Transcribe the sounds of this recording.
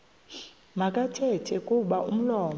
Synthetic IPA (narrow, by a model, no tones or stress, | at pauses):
makʼatʰɛtʰɛkʼuɓaum̩lɔːm